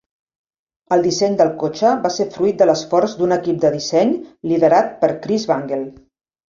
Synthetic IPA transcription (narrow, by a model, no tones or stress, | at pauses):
əlˠd̪isɛɲd̪əlˠkot͡ʃəβasefɾuit̪̚d̪ələsfɔɾzd̪unəkip̚d̪əðisɛɲliðəɾat̪̚pəɾkɾizβaŋɡelˠ